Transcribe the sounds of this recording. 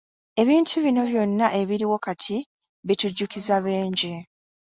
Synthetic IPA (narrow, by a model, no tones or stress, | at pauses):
e̞βiːntʰuβino̞βjo̞nːaʔe̞βiɾiwo̞katʰi | βituɟːukizaβe̞ːɲɟe̞